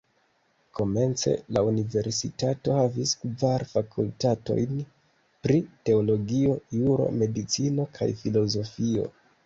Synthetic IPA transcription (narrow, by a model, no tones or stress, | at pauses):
ko̞me̞nt͡se̞̰launive̞ɾsitato̞haviskvaɾfakʰultato̞̰jn | pɾite̞olo̞ɡio̞juɾo̞̰me̞dit͡sino̞kʰa̰jfilo̞zo̞fio̞̰